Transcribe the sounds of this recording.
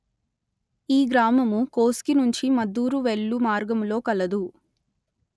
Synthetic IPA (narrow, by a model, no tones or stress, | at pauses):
iːɡɾaːmɐmukoːskinuɲt͡ʃimɐd̪ːuːɾuʋeɭːumaːɾɡɐmlo̞ːkɐlɐd̪u